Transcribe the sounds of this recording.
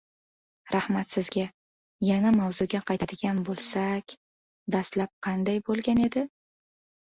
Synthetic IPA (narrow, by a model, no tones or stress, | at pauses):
ɾahmat̪sɪzɡʲa | janamawzʊɡʲaqʰɑjt̪ʰad̪ɪɡʲanbolˠsakʲ | d̪ast̪lap̚qʰɑnd̪ajbolˠɡʲane̞d̪ɪ